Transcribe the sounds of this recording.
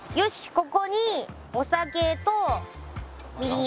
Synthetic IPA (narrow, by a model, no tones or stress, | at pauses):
joɕi̥ko̞ko̞ɲ̟i | osake̞t̪o | mʲiɾi